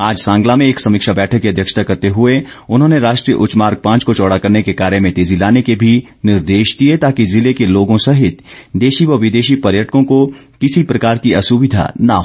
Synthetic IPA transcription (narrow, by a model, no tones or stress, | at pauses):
aːd͡ʒsãːŋɡlamẽeːksɐmɪkʃabɛːʈʰəkːiɐd̪ʱjəkʃt̪ʰakɐɾt̪eɦʊe | ʊnɦõːneɾaːʃʈɾiːjə̰ʔʊt͡ʃmaːɾɡ̚pãːt͡ʃkot͡ʃɔːɽakɐɾnekekaːɾjemẽt̪eːzilaːnekebʱi | nɪɾd̪eːʃd̪iet̪aːkizɪlekeloːɡõsɐɦɪt̪d̪eːʃiʋɐʋɪd̪eːʃipɐɾjəʈkõko | kɪsipɾɐkaːɾkiɐsuːʋɪd̪ʱa̰nɐɦ